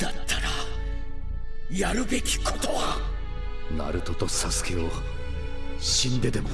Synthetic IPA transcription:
d̪̥at̪ʰːaɾa | jaɾɯ̟be̞kʲi̥kʰo̞t̪o̞wa | na̰ɾɯ̟t̪o̞t̪o̞sasɨ̥ke̞o | ɕĩnd̪e̞d̪e̞mo

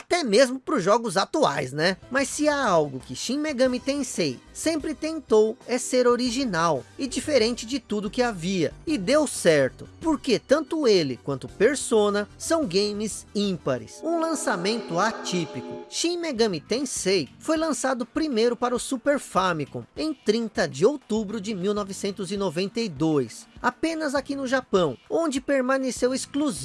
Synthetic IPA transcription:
at̪ɛmezmʊpɾʊzʒɔɡʊzat̪ua̰jznɛmɐssɪaawɡʊkɪʃĩmeɡɐ̃mit̪ẽj̃sejsẽmpɾɪt̪ẽnt̪owɛseɾoɾiʒinawɪd͡ʒifeɾẽnt͡ʃɪd͡ʒɪt̪ud̪ʊkɪaviɐ̰ɪd̪ewsɛɾt̪ʊpoɾket̪ɐ̃nt̪ʊelɪkwɐ̃nt̪ʊpeɾsõnɐsɐ̃w̃ɡẽjmɪzĩpɐɾɪ̰sũlɐ̃samẽnt̪ʊat͡ʃipikʊ̰ʃĩmeɡɐ̃mit̪ẽsejfojlɐ̃sad̪ʊpɾimejɾʊpaɾɐʊsupeɾfamikõ̰w̃ẽj̃t̪ɾĩnt̪ɐd͡ʒɪowt̪ubɾʊd͡ʒɪmiwnɔvɪsẽnt̪ʊzɪnovẽnt̪ɐjd̪ojsapẽnɐzakinʊʒapɐ̃w̃õnd͡ʒɪpeɾmãnesewɪskluz

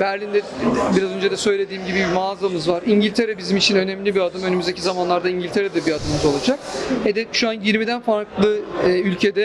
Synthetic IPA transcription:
bæɾlʲind̪ɛ | biɾazø̞nd͡ʒed̪ɛsø̞jlʲe̞d̪iːmɟibibmaːzamɯzvaɾiɲɟilʲt̪ʰe̞ɾɛbizimit͡ʃʰinø̞nɛmlʲibiad̪ɯmønymyzd̪ecʰizamanlˠaɾd̪aiɲɟilʲt̪ʰe̞ɾɛd̪ɛbiad̪ɯmɯzo̞lˠad͡ʒak̚hɛd̪ɛʃuanjiɾmid̪ænfaɾklˠɯɯːylʲcʰe̞d̪ɛ

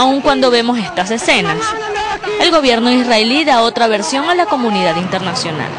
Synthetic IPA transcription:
auŋkwand̪o̞βe̞mo̞s̬e̞st̪ase̞se̞nas | e̞lɣo̞βje̞ɾno̞israeliðao̞t̪ɾaβe̞ɾsjo̞ŋalako̞mũniðaðint̪e̞ɾnasjo̞na̰l

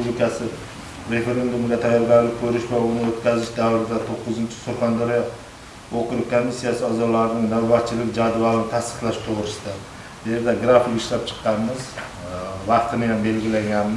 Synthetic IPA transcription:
ublɪkʰasɪ | ɾe̞fe̞ɾe̞nd̪umɡʲat̪ʰajːɒɾɡʲaɾlɪkʲkʰːɵɾɪʃbolˠɪnɪot̪kʲʰazɪʃd̪awɾɪd̪at̪ʰoqːʊzɪnt͡ʃʰɪ̥soɾχɑnd̪aɾijɒ | oqʰʊɾʊkʰomːisːijasɪɒzɒlˠaɾnɪŋnawbat̪̚t͡ʃʰɪlɪkʲd͡ʒad̪valˠɪnɪt̪ʰast̪ɨ̥χlˠaʃt̪ʰʊʁɾɪʃd̪a | djeɾd̪aɡɾafikɪʃlap̚t͡ʃʰɨ̥qːɑnmɪz | vɑqt̪ɪnɪjambe̞lɡʲɪlaŋɡʲanmɪ

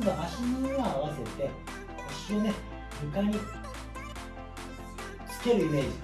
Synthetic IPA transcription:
d̪eʔaɕinooaβase̞t̪e̞ | aɕio̞ne̞ | bɯ̟kaɲ̟i | t͡sɨ̥ke̞ɾɯ̟ime̞ːd͡ʑi

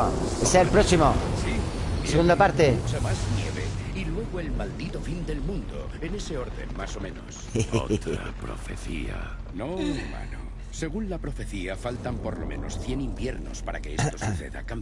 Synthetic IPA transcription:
eselpɾoksimosiseɣund̪apaɾt̪e̞semaznjeβḛilwe̞ɣ̞oelmald̪it̪ofind̪e̞lmũnd̪o̰ene̞se̞o̞ɾðe̞̰nmaso̞mẽ̞no̰st̪ɾa̰pɾofeθḭa̰ | nouma̰no | se̞ɣunlapɾo̞fe̞θiafalt̪ampo̞ɾlo̞̰mẽ̞̰no̞sθje̞nimbje̞ɾno̞̰spaɾa̰ke̞et̪osuθe̞̰ða̰kam

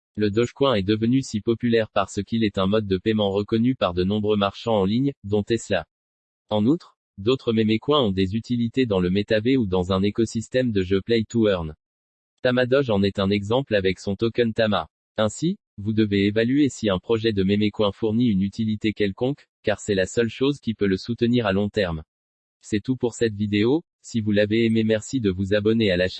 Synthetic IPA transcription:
ləd̪ɔʃkwɛ̃ɛd̪əvənysipɔpylɛʁpaʁsəkʲilɛt̪ɛ̃mɔd̪̚ːəpɛmɑ̃ʁəkɔnypaʁd̪ənɔ̃bʁømaʁʃɑ̃ɑ̃liɲd̪ɔ̃t̪ɛsəla | ɑ̃nut̪χ | d̪ot̪χəmemekwɛ̃ɔ̃d̪ezyt̪ilit̪ed̪ɑ̃ləmet̪aveud̪ɑ̃zɛ̃nekɔsist̪ɛmd̪əʒøplɛjt̪uœʁn | t̪amad̪ɔʒɑ̃nɛt̪ɛ̃nɛɡzɑ̃plavɛksɔ̃t̪ɔkɛnt̪ama̰ | ɛ̃si | vud̪əveːvalyesiɛ̃pχɔʒɛd̪əmemekwɛ̃fuʁniynyt̪ilit̪ekʲɛlkɔ̃k | kːaʁsɛlasœlʃozkʲipøləsut̪əniʁalɔ̃t̪ɛʁm | sɛt̪upuʁsɛt̪vid̪eo | sivulaveːmemɛʁsid̪əvuzabɔnealaʃ

